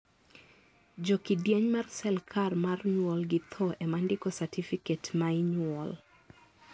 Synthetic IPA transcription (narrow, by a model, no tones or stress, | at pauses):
d͡ʒokidjeɲmarsɛlkʰarmarɲwɔlɡɪt̪ʰɔʔɛmandɪkɔsatʰifiketmaiɲwɔl